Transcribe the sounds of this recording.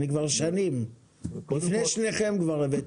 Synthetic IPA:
nikvaʁʃanim | lifneʃneχemɡvaʁevet

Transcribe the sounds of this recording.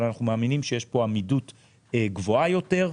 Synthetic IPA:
lanaχnumaːminimʃejeʃpo̞amidut | eɡvo̞ajo̞te̞ʁ

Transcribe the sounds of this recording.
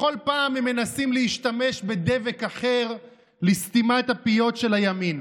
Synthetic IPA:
o̞lpaːmemːe̞nasimleiʃt̪ame̞ʃbe̞d̪e̞ve̞kaχe̞ʁ | list̪imaet̪hapijo̞tʃe̞lajamin

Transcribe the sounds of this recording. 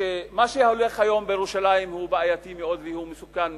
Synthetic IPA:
emaʃeholeχhajo̞mbejeʁuʃalajimhubaajat̪imeo̞d̪vehumesukan

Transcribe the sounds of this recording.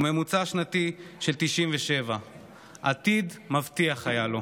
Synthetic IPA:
me̞mut͡saʃnat̪iʃelt̪iʃimveʃe̞va | ʔat̪id̪mavt̪iaχajalo̞

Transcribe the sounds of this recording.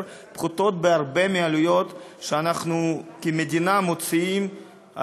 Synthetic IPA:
pχut̪o̞t̪̚beaɾbemealujo̞t̪ʃeanaχnukimed̪inamot͡siim | a̰

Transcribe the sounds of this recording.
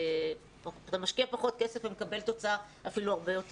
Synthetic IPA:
pat̪amaʃkiapaχo̞t̪̚kesefemekabe̞lt̪o̞t͡saa | afiluaʁbejo̞t̪

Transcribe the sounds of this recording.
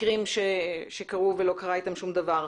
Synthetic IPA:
ʁimʃeʃe̞kaʁuvelo̞kaʁait̪amʃumd̪avaʁ

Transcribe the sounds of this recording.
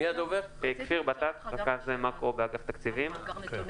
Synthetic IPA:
ijad̪oveʁekfiʁbat̪akʁakaχzemakʁo̞beaɡaft̪akt͡sivimk

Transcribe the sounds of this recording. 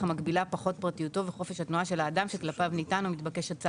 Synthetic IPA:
amaɡbilapaχo̞t̚pʁatijuto̞veχo̞fe̞ʃhatnuaʃe̞laːdamʃe̞klapavnitanumit̪bake̞ʃatt͡sa

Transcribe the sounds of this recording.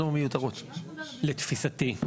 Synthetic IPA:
omejut̪aʁut̪let̪fisat̪i

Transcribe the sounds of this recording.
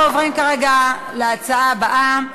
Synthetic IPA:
ovʁimkaʁeɡa | leat͡saʔabaʔam

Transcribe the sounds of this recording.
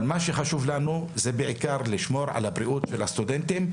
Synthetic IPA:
lmaʃeχaʃuvlanuzebeʕikaʁliʃmo̞ɾʕa̰labɾiʔut̪ʃelhast̪ud̪ent̪im

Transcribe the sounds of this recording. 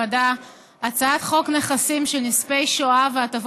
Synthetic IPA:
ada | at͡saat̪χo̞kneχasimʃelnispejʃoaveatav

